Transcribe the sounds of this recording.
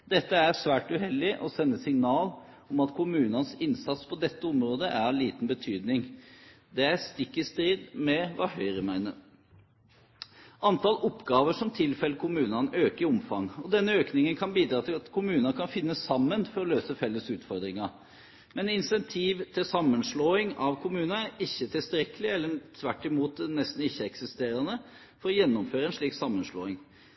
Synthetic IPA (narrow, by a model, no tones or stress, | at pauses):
d̪ɛt̪ːəæɾsʋæːʈʉɦɛlːɪʔɔsɛnːəsɪŋnɑːl | ɔmɑt̪kʰʊmʉːnɑnsɪnsɑt̪spʰɔd̪ɛt̪ːəɔmɾoːd̪əʔæɾliːt̪nbət̪ʰyːd̪nɪŋ | d̪ɛæɾst̪ɪkːəst̪ɾiːd̪mɛʋɑhœʏɾəmæɪnəɾ | ʔɑnt̪ʰɑlʔɔpːɡɑːʋəʂɔmt̪ʰɪlfɛləkʰʊmʉːnɑnøːkəɪɔmfɑŋɔd̪ɛnːəøːknɪŋənkʰɑnbiːd̪ɾɑːt̪ʰɪlɑt̪kʰʊmʉːnɑkʰɑnfɪnːəsɑmːənfɔɾɔløːsəfɛlːəsʉːt̪fɔɾd̪ɾɪŋɑ | mɛnɪnsɛnt̪ʰiːʋt̪ʰɪlsɑmːənʂɭoːɪŋɑʋkʰʊmʉːnɑnæɾɪçːət̪ʰɪlst̪ɾɛkəlɪɛlːət̪ʰʋæʈːɪmuːt̪nɛst̪n̩ɪçːəɛksɪst̪eːɾɑnə | fɔɾɔjɛnːʊmføːɾəɛnʂɭiːksɑmːənʂlo̰ːɪŋ